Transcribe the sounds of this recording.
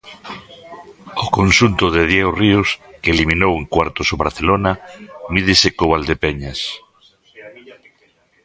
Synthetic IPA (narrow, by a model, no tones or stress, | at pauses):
okonʃunt̪oðeðjɛɣoriʊskeeliminoweŋkwaɾt̪osoβɾaθelonamiðesekoβald̪epeɲas